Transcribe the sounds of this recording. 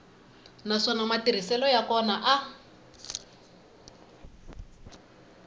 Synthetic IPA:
naʂɔnamatirisɛlɔjakɔnaʔa

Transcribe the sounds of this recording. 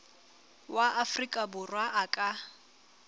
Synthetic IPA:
wʔaʔafrikʼabʊrwaʔakʼa

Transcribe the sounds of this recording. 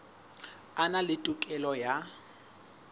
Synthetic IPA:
analɪtʼʊkʼɛlɔja

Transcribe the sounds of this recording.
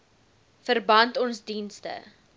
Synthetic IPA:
fərbɐntɔnsdinstə̰

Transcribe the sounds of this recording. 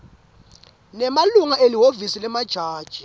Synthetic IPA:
nɛmaluŋaʔeliɦovisilɛmad̥ʒ̥ʱaːd̥ʒ̥ʱi

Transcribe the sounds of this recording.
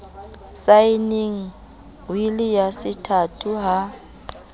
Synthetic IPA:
saɪneŋ̩ | wilɪjasɪtʰatʼʰuɦa

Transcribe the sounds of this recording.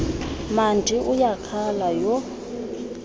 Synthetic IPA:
mand͡ʒʱiʔujakʰalajɔ

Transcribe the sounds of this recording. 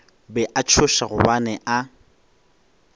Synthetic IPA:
bɛʔat͡ʃʰʊʃaɣʊbanɛʔa

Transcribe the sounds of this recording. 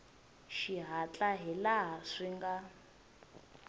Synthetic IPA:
ʃiɦat͡ɬʼaɦilaɦaʂiŋɡa

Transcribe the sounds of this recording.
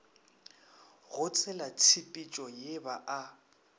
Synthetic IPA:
ɣʊt͡sʼʰɛlat͡sʰipʼit͡ʃʼɔjebaʔa

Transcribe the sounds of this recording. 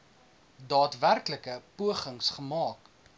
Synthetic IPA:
dɑːtværkləkəpuəχəŋsχəmɑːk

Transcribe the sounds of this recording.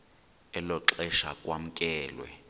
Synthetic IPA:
ɛlɔǁɛʃakʼwam̩kʼɛːlwɛ̰

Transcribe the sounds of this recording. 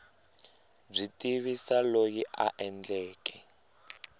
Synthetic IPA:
b͡ʐitʼiβisalojiʔa̰ʔɛnd͡ɮɛːkɛ

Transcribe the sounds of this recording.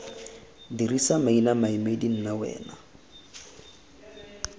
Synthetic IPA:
dirisamainamaimedin̩nawɛ̰ːna

